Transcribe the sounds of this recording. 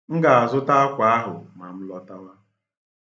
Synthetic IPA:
ŋ̩˦ɡa˨a˨zʊ˦ta˦a˦kʷa˨a˦ɦʊ˨ma˨m̩˦lɔ˦ta˦wa˦

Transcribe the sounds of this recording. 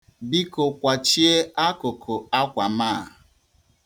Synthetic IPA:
bi˦ko˨kʷa˨t͡ʃi˦e˦a˦kʊ˨kʰʊ˨a˦kʷa˨maː˦˨

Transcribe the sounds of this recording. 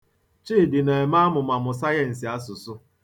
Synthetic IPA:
t͡ʃiː˦˨dɪ˨ne˨ma˦mʊ˨ma˨mʊ˨sa˦je˨n̩˨si˨a˦sʊ˨sʊ˦

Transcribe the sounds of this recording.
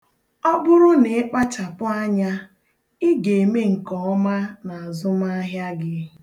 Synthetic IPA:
ɔ˦bʊ˦ɾʊ˦ne˨ɪ˦k͡pa˦t͡ʃa˨pʊ˦a˦ɲa˦ | ɪ˦ɡe˨e˨me˦ŋ̩˨kɔ˨˦ma˦na˨a˨zʊ˦ma˦ɦja˦ɡɪ˦

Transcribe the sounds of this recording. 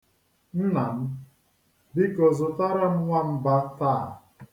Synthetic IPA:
n̩˦na˨m̩˦ | bi˦kɔ˨zʊ˨ta˦ɾa˦m̩˦ŋʷa˦m̩˦ba˦taː˦˨

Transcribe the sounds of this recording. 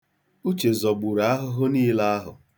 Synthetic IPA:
u˦t͡ʃe˨zɔ˨ɡ͡bu˨ɾa˨a˦ɦʊ˦ɦʊ˦niː˦la˦a˦ɦʊ̰˨

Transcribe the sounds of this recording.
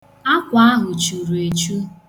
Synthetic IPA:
a˦kʷa˨a˦ɦʊ˨t͡ʃu˨ɾu˨e˨t͡ʃu˦

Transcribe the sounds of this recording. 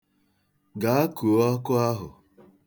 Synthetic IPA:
ɡa˨a˦ku˨˦ɔ˦kʊ˦a˦ɦʊ̰˨

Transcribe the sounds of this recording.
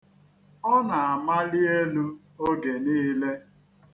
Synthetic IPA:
ɔ˦na˨a˨ma˦li˦e˦lu˦ | o˦ɡe˨niː˦le˦

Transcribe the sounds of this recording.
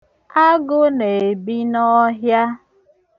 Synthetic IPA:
a˦ɡʊ˦ne˨bi˦nɔ˦ɦja˦

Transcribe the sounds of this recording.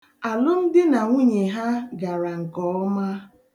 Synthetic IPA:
a˨lʊ˦n̩˦dɪ˦na˨ŋʷu˦ɲe˨ɦa˦ɡa˨ɾa˨ŋ̩˨kɔ˦ɔ˦ma˦

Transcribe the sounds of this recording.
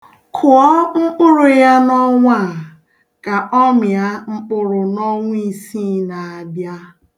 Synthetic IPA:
kʰʊ˨ɔ˦ŋ͡m̩˦k͡pʊ˦ɾʊ˨ja˦nɔ˦ŋʷa˦˨ | ka˨ʔɔ˦m˨a˦ŋ͡m̩˦k͡pʊ˦ɾʊ˨nɔ˦ŋʷʊ˦i˨si˦na˨a˨bja˦

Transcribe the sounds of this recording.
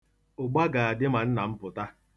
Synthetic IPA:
ʊ˨ɡ͡ba˦ɡa˨a˨dɪ˦ma˨n̩˦na˨m̩˦pʊ˨ta˦

